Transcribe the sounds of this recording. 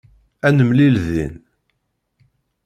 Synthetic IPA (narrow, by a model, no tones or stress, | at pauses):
ænəmlilðḭn